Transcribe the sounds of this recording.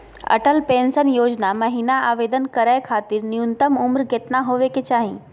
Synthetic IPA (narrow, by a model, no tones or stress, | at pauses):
ɐ̰ʈəlpẽːnsənjoːd͡ʒnamɐɦiːnaaːʋeːd̪ənkɐɾaːekʰaːt̪ɪɾnijunt̪əmʊmɾɡet̪naɦoːʋeket͡ʃaːɦĩ